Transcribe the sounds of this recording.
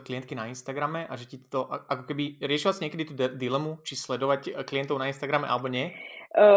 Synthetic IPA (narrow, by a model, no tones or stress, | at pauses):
klijɛnt̪̚kinainst̪aɡɾamɛʔaʒɛcit̪ɔʔʔakɔkɛbiɾɪɛʃiʋat͡siɲɛkɛd̪it̪uːd̪ilɛmut͡ʃislɛd̪ɔʋackliɛnt̪ɔʊnainst̪aɡɾamɛ̰ʔa̰lɛbɔɲɛ